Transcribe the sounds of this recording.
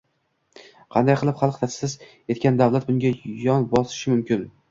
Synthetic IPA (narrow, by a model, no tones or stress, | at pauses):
qʰɑnd̪ajqʰɨlˠɪpχalˠqt̪ʰat̪sɪz | e̞t̪kʲand̪awlˠat̪̚bʊŋʲajɒnbɒsɪ̥ʃɪmʊmkʲɪn